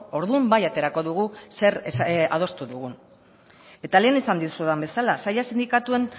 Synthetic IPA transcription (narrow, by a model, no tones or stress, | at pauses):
o̞ɾðumbajat̪e̞ɾako̞ðuɣ̞use̞ɾa̰ð̞o̞st̪uðuɣ̞un | e̞t̪ale̞ːnisand̪it̪u̥suðambe̞salasajasind̪ikat̪ue̞n